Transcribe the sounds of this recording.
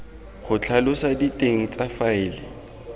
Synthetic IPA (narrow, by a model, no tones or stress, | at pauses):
χʊt͡ɬʰalʊsaditʼeŋ̩t͡sʼafaɪːlɪ